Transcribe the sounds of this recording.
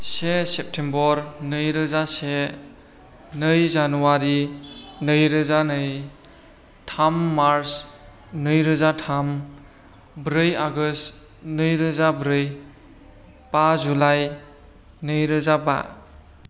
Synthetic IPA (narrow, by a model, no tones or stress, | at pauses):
sesep̚tʰembɔɾnɯjɾɯzase | nɯjzanuwaɾinɯjɾɯzanɯj | tʰamːaɾs | nɯjɾɯzatʰam | bɾɯjaɡɯst | nɯjɾɯzabɾɯj | pazulaj | nɯjɾɯzaba̰